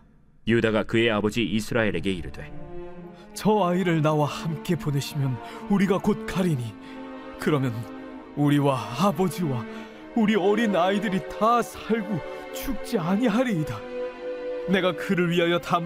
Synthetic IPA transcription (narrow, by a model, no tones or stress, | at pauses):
judaɡakɯe̞abʌd͡ʑiisʰɯɾaeɾe̞ɡe̞iɾɯdwe̞ | t͡ɕʌaiɾɯɭnawahamk͈e̞pone̞ɕʰimjʌnuɾiɡakot̚k͈aɾiɲi | kɯɾʌmjʌn | uɾiwaːbʌd͡ʑiwa | uɾiʌɾinaidɯɾitasʰaɭɡut͡ɕʰuk̚t͡ɕ͈iaɲiɦaɾiːda | ne̞ɡakɯɾɯɭɥiɦajʌtam